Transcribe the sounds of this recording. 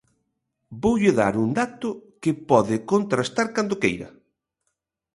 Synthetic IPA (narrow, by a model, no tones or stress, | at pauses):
bowʎɪða̰ɾund̪at̪ʊkɪpɔðɪkont̪ɾast̪aɾkand̪okejɾɐ̰